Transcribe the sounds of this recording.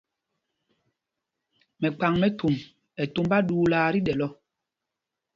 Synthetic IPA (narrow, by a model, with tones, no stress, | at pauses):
mɛ˨k͡pa˨ŋmɛ˦tʰu˨m | ɛ˨tu˦m˦ba˦ɗuː˦laː˨˦ɾi˦ɗɛ˨lɔ˦